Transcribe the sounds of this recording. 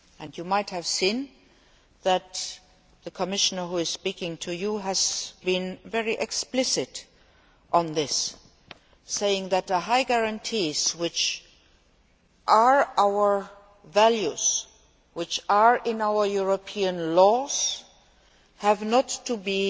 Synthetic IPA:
ɨ̃njumaɪt̚hɨv̥sĩn | ðɨt̪ | ðəkʰəmɪʃənə˞ɦuɪz̥spikɪ̃ŋtʰujuɦæz̥bĩnvɛɹiʔɛksplɪsɪt | ʔn̩ðɪs | eɪɪ̃ŋðɨt̪̚ðəɦaɪɡæɹãntʰiz̥wɪt͡ʃ | ʔa˞ʔaʊə˞ | væljuz̥ | wɪt͡ʃaɹɪ̃naʊə˞juɹopʰiə̃nlɔz̥ | hɨvnətʰːubi

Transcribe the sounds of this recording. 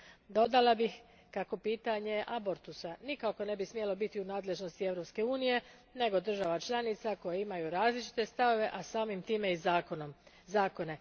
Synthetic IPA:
d̪o̞d̪alabix | kako̞piːt̪aɲe̞ʔaboɾt̪usanikako̞ne̞bismijelo̞bit̪iunaːd̪le̞ʒno̞st̪ie̞ʋɾo̞pske̞uːnije̞ | ne̞ɡo̞d̪r̩ʒaʋat͡ʃlˠanit̪sako̞jeimajuɾaːzlit͡ʃi̥t̪e̞st̪aʋo̞ʋe̞ʔasaːmimt̪iːme̞izknm | zaːko̞ne̞

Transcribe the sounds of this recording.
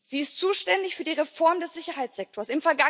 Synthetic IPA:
z̥iːɪstt͡suːʃtɛndɪçfyːɐdiːʁefɔɐmdɛsz̥ɪçɐhɦaɪt͡sz̥ɛk̚tʰoːɐsɪmfɛɐɡa

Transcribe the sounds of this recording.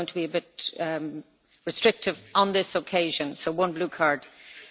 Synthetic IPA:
ʊɪ̃ŋtʰəbiəbɪt̚ | ɹɨstɹ̥ɪk̚tɪvə̃nðɪsəkʰeɪʒə̃nsoʊwʌ̃nblʉkʰaɹd̥

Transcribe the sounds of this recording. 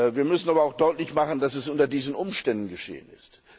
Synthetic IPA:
viːɐmʏsn̩ʔaːbɐaʊxd̥ɔʏtlɪçmaχn̩d̥asɛsʔʊntɐdiːzn̩ʔʊmʃtɛndn̩ɡəʃḛːə̰nɪst

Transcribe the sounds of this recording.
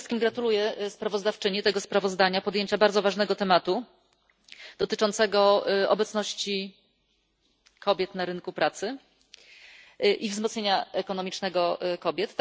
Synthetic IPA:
st̪̚kʲimɡɾat̪ulujɛspɾavɔzd̪aft͡ʂɘɲit̪ɛɡɔspɾavɔzd̪aɲapɔd̪jeɲt͡ɕabaɾd̪zɔvaʐnɛɡɔt̪ɛmat̪u | d̪̥ɔt̪ɘt͡ʂɔnt̪sɛɡɔɔ̰bɛt̪snɔɕt͡ɕi | kʰɔbʲjɛt̪naɾɘnkupɾat̪sɘ | ʔivzmɔt̪sɲeɲaɛkɔnɔmʲit͡ʂnɛɡɔkɔbʲjɛt̪ː

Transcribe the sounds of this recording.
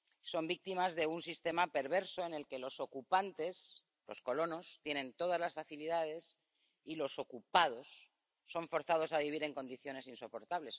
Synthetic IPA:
so̞mbik̚t̪imazðe̞unsist̪e̞mape̞ɾβ̞e̞ɾso̞ene̞lke̞lo̞sokupant̪e̞s | lo̞̰sko̞lo̞nost̪je̞nẽ̞nt̪o̞ð̞azlasfaθiliðað̞e̞s | ilo̞so̞kupað̞o̞sː | o̞ɱfo̞ɾθaðo̞saβiβ̞iɾe̞ŋko̞nd̪iθjo̞ne̞sinso̞po̞ɾt̪aβle̞s

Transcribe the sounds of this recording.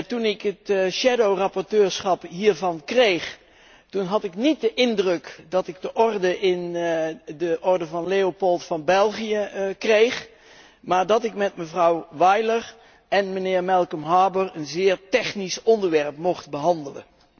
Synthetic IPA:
tunɪkɦətʃɛdowrɑpɔɹtøːɹsχɑpɦiːɹvɑnkrejχ | tunɦɑtɪknit̚dəʔɪndrɵkdɑtɪɡdəʔɔrdəʔɪn | dəʔɔɹdəvɑnlejopolˠtfɑnbɛlˠχijəkrejχ | maːɹdɑtɪkmɛtməvrɑwʋɑjlər | ɛnmənɪːɹmɛlˠkəmɦaːbəɹənzɪːɹtɛχnisɔndəɹʋɛɹpmɔχtbəɦɑndələ̰n

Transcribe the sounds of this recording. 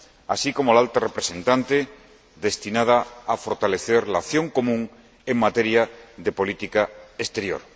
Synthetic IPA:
a̰siko̞molalt̪arepɾesẽ̞nt̪ant̪e | ðe̞st̪inað̞aːfo̞ɾt̪aleθeɾlaθjõ̞ŋko̞mũŋ | eŋmat̪eɾjaðepo̞lit̪ikaest̪eɾjo̰ɾ

